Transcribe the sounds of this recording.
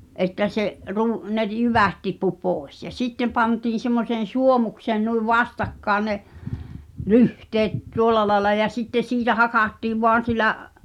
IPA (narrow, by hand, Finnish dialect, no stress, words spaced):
ʔetːæ seʔ ru ne r jyʋæt tipːu poˑes jɑ sitːe pɑntiːn̞ semːoseːn̞ suomukseːn nuiʋ ʋɑstɑkːɑːn ne lyhteːt tuolˑɑ lɑelɑ jɑ sitːe siːtæ hɑkɑˑtːiːʋ ʋoɑn̞ silæʔ